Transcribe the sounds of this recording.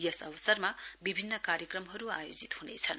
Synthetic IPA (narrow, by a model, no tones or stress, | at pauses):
jʌsʌbʌsʌrmabibʱinːʌkaɾjʌkrʌmɦʌɾuajod͡zit̪hunet͡sʰʌn